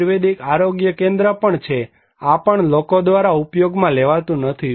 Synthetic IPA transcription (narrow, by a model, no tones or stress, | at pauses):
ɾʋed̪ikaɾoɡjəkẽnd̪ɾəpəɳt͡ʃʰe | apəɳlokod̪ʋaɾaupjoɡmãleʋat̪ũnət̪ʰi